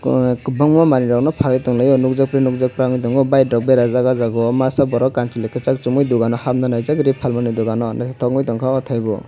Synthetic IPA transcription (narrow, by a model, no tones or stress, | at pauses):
bɔŋmɔmaniɾɔknɔpʰalɯjt̪ɔŋlajɔnuk̚zak̚pɾinuk̚zak̚pɾaŋɯjt̪ɔŋɔbajdɔk̚beɾazaɡazaɡɔmasabɔɾɔkant͡ʃilɯkʰɯt͡ʃak̚t͡ʃumujd̪uɡanɔhamnanajzaɡɾipʰalmanɯjd̪uɡanɔnatʰɔŋujt̪ɔŋkʰaɔt̪ʰajbɔ̰